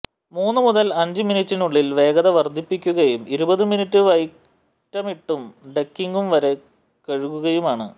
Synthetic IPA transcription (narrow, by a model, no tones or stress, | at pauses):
muːnːɨmuðɐlɐɲd͡ʑɨminitːinuɭːilʋe̞ːɣɐðɐʋɐrd̪ʱːipːikʲːuɣɐjumiɾubɐðɨminitːɨʋɐjk | ʈːɐmiʈːumɖekːiŋɡumʋɐɾe̞ | kɐɻuɣuɣɐjumaːɳɨ̰